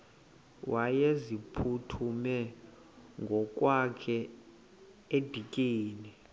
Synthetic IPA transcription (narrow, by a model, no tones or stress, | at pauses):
wʔajezipʰutʰumɛ | ŋɡʱɔkʼwakʰɛ | ed̥ʱikʼiːni